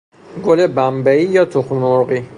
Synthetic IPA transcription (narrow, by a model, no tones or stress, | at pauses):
ɡolebæmbæiːjɒːt̪ʰoxmnoɾɢi